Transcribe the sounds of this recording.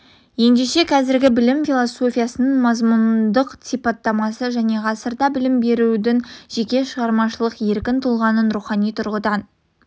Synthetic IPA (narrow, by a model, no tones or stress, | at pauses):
je̞nd̪eʃe̞kʰɑzɪɾɡʲɪbɪlɪmfilˠoso̞fʲijɑsənəɴmɑzmʊnd̪əqt̪ipɑt̪ːɑmɑsəʒæne̞ʁɑsəɾd̪ɑbɪlɪmbe̞ɾud̪ɪŋʒ̥e̞kʲe̞ʃəʁɑɾmɑʃəlˠəqje̞ɾkʲɪnt̪ʰʊlˠʁɑnənɾuχɑnijt̪ʰʊɾʁəd̪ɑn